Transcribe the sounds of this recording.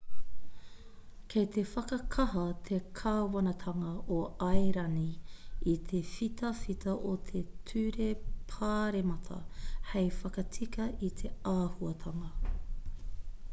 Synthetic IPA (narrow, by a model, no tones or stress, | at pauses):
kʰejt̪e̞fɐkɐkʰɐɦɐt̪ʰekʰɐwɐnɐt̪ʰɐŋɐʔoɐjɾɐniit̪ʰefit̪ʰɐfit̪ʰɐʔot̪ʰetʰʉɾepʰaːɾemɐt̪ʰɐ̰hejfɐkɐt͡sʰikɐʔit̪ʰe̞aːhuɐt̪ʰɐŋɐ